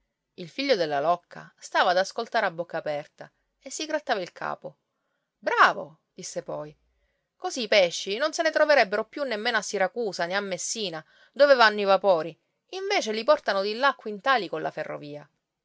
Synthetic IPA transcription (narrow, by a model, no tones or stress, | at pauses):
ilfiʎːod̪elːalɔkʰːa̰st̪aːvad̪askolt̪aːɾeabːokːaːpɛrt̪a | esːiɡɾat̪ːaːvailkʰa̰ːpo | bɾaːvo̰ | d̪̥isːepɔj | kosipɛʃːinonsenet̪ɾoveɾɛbːeɾopjunːemːeːnoasːiɾakuːsaneamːesːiːna | d̪oːvevanːoivapoːɾi | iɱveːt͡ʃelipɔrt̪anod̪ilːakːwint̪aːlikonlʔa̰ferːo̰viːa